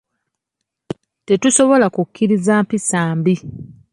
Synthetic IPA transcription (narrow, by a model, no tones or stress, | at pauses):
te̞tuso̞βo̞lakukːiɾizaːmpisaːmbi